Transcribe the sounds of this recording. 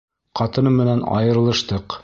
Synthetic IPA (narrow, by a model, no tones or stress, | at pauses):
qɑt̪ɤ̆nɤmɘ̆nænɑ̰jɤ̆ɾ̆lˠɤ̆ʃt̪ɤq